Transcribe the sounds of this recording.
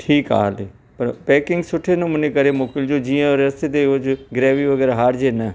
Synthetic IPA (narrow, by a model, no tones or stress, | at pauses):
ʈʰiːka̰ːle | pɐɾpɛːkɪ̃ŋɡsʊʈʰenɐmʊ̃nekɐɾemoːkɪld͡ʑod͡ʑiːə̃ɔɾɐst̪et̪̬eot͡ʃɡɾeːʋiʋɐɡɛːɾɦaːɾd͡ʑenɐ